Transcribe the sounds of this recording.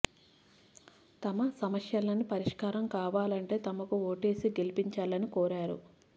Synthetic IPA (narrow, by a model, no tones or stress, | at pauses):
t̪ɐmɐsɐmɐʂjɐlɐnipɐɾiʂkaːɾɐmkaːʋaːlɐɳʈe̞ːt̪ɐmɐkuoːʈe̞ːsiɡe̞lipiɲt͡ʃaːlɐnikɔːɾaːɾṵ